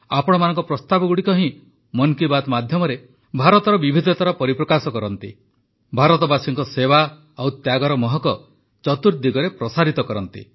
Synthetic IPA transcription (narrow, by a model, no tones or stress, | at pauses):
apɔɽ̃ɔmanɔŋkɔpɾɔst̪abɔɡuɽikɔɦĩ | mɔnkibad̪mad̪ʱjɔmɔɾe | bʱaɾɔt̪ɔɾɔbibʱid̪ʱɔt̪ɔɾapɔɾipɾɔkasɔkɔɾɔnt̪ḭ | bʱaɾɔt̪ɔbasiŋkɔsewa | awt̪jaɡɔɾɔmɔɦɔkɔ | t͡ʃɔt̪uɾd̪iɡɔɾepɾɔsaɾit̪ɔkɔɾɔnt̪ḭ